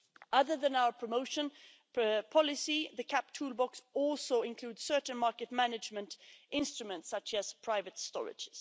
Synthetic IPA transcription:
ʔʌðə˞ðɨ̃naʊə˞pʰɹ̥əmoʊʃə̃n | pʰɑlˠɪsiðɨkʰæp̚tʰuːlˠbɑksɔlˠsoʊɪ̃nkʰl̥uːd̥sɜ˞ʔn̩mɑɹkɨt̚mænɨd͡ʒmə̃ntʔɪ̃nstɹ̥ɨmə̃ntsʌt͡ʃɨz̥pʰɹ̥aɪvɨtstɔ̰ɹɪ̰d͡ʒɪz̥

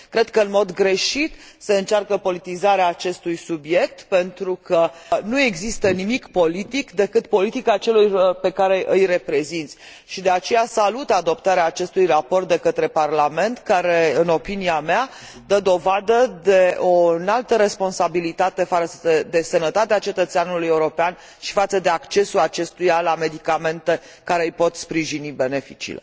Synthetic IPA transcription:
kɾe̞d̪kəɨnmo̞d̪ɡɾe̞ʃit̪se̞ɨnt͡ʃarkəpo̞lit̪izaɾeaːt͡ʃe̞st̪ujsubje̞k̚t̪pe̞nt̪ɾukənue̞ɡzist̪ənimikpo̞lit̪ikd̪e̞kɨt̪po̞lit̪ikat͡ʃe̞lujpe̞kaɾe̞ʔɨjre̞pɾe̞zint̪sʲ | ʃid̪e̞at͡ʃe̞jasalut̪ad̪o̞pt̪aɾeaːt͡ʃe̞st̪ujrapo̞rt̪̚d̪e̞kət̪ɾe̞parlame̞nt̪kaɾe̞ɨno̞piniamea | d̪əd̪o̞vad̪əd̪e̞o̞nalt̪əɾe̞spo̞nsabilit̪at̪e̞faəed̪e̞sənət̪at̪eat͡ʃe̞t̪ət̪seanulujeuɾo̞pean | ʃi̥fat̪səd̪e̞akt͡ʃe̞sulat͡ʃe̞st̪ujalame̞d̪ikame̞nt̪e̞ | kaɾe̞ɨjpo̞t̪spɾiʒinibe̞ne̞fḭt͡ʃḭlḛ

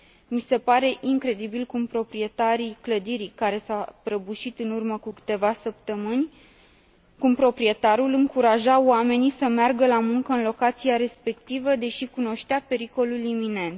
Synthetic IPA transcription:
mise̞paɾe̞ʔiŋkɾe̞d̪ibilkumpɾo̞pɾie̞t̪aɾikləd̪iɾikaɾe̞sapɾəbuʃit̪ɨnurməkukɨ̥t̪e̞vasəp̚t̪əmɨnʲ | kumpɾo̞pɾie̞t̪aɾulɨŋkuɾaʒaoame̞nisəmearɡəlamuŋkəɨnlo̞kat̪siaɾe̞spe̞kt̪ivəd̪e̞ʃikuno̞ʃt̪eape̞ɾiko̞lulimine̞nt̪

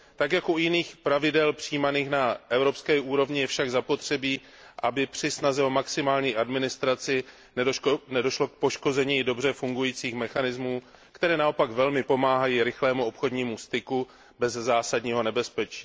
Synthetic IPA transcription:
t̪akjakujɪniːxpɾavɪdɛlpr̝̥iːmaniːxnaʔɛvɾo̞pskɛːʔuːɾo̞vɲɪjɛfʃaɡzapo̞t̪r̝̥ɛbiː | ʔabɪpr̝̥ɪsnazɛo̞maksɪmaːlɲiːʔadmɪnɪst̪ɾat͡sɪ | nɛnɛdo̞ʃlo̞k̚poʃko̞zɛɲido̞br̝ɛfuŋɡujiːt͡siːxmɛxanɪzmuː | kt̪ɛɾɛːnao̞paɡvɛlmɪpo̞maːɦajiːɾɪxlɛːmuo̞pxo̞dɲiːmust̪ɪku | bɛzzaːsadɲiːɦo̞nɛbɛspɛt͡ʃiː

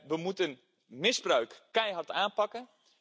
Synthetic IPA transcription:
ʋəmutən | mɪzbrœɥkːɛjɦɑrtaːnpɑkə

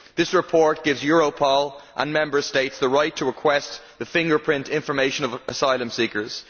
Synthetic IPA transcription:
ðɪsɹɪpʰɔɹt̚ɡ̥ɪvzjɔɹoʊpʰɔlˠʔə̰̃nmɛ̃mbə˞steɪtsðəɹaɪtʰəɹɪkʰw̥ɛstðəfɪ̃ŋɡə˞pʰɹ̥ɪ̃ntɪ̃ɱfə˞meɪʃə̃nəvəsaɪlˠə̃msikə˞z̥

